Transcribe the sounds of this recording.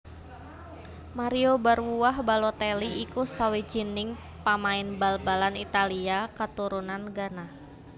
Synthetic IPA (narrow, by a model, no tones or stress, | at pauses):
maɾiobarwuwahbalot̪eliʔikusawid͡ʒinɪŋ | pamaɪnbalbalanit̪aliakət̪uɾunanɡana